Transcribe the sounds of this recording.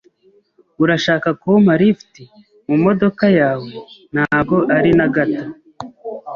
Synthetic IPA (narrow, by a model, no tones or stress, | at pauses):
uɾaʃaːkakumaɾifti | mumo̞do̞kajaːwe̞n̥haːɡo̞ʔaɾinaɡata